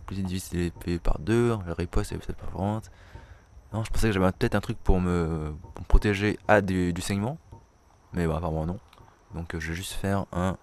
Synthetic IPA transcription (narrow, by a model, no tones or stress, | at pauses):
plyzid̪ifisilepeepa̰ʁd̪ølaʁipɔst̪ɛɛpøt̪ɛt̪paʁfɔɑ̃t̪ | nɔ̃ʒəpɑ̃sɛkəʒavɛ̃pət̪ɛt̪χɛ̃t̪χyk̚puʁməpuməpχɔt̪eʒead̪yd̪ysɛɲmɑ̃ | mɛwãpamɔ̃nɔ̃ | d̪ɔ̃kʒəvɛʒyst̪fɛʁɛ̃